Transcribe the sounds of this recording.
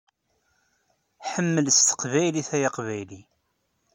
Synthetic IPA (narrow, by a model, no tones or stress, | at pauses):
ħəmːələst̪ə̥qvæjliθæjɑqvæjli